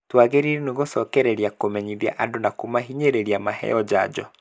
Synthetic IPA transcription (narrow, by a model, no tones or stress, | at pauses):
twaːɣeɾiɾɛneɣosɔkɛɾɛɾiakomɛɲiðia̰ʔadonakomaɦiɲeɾeɾiamahɛ̰ɔd͡ʑad͡ʑɔ